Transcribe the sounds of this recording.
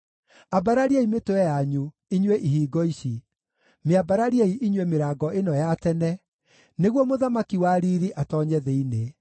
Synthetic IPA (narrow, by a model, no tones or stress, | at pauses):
abaɾaɾiaimetoɛjaɲu | iɲweʔiɦiːɡɔiɕi | meabaɾaɾiaiʔiɲwemeɾaːɡɔenɔjatɛnɛ | neɣwɔmoðamakiwaɾiɾiʔatɔɲɛðɛine